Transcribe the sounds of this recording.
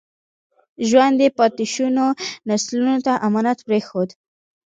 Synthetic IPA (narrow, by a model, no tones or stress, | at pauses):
ʒwand̪əpɑt̪ɪʃunonaslunot̪aʔamɑnat̪pɾexod̪